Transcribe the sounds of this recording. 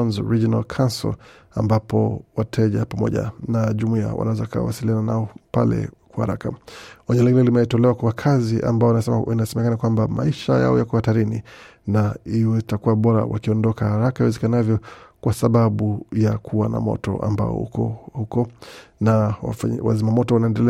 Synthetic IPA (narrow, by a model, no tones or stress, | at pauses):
nzɔɾid͡ʒɔna̰lkʰansɔ̰l | ambapɔwatʰɛʄapamɔ̰ʄa̰naʄumuia̰wa̰nawɛzakaa̰wasiliananaɔpa̰lɛ̰kwahaɾakaɔɲɛliɡinɛlimɛitɔlɛwakwakʰaziʔa̰mbaɔnasɛinasɛmɛkanakwambama̰iʃa̰ja̰ɔ̰jakɔahataɾini | naiwɛtakuwaɓɔɾa̰wa̰kiɔndɔkahaɾakaiwɛzɛkanavjɔkwʔasaɓaɓujakʰuwana̰mɔ̰tɔ̰ʔa̰mba̰ɔ̰ɔhukɔnawa̰zimamɔtɔwanaɛndɛlɛ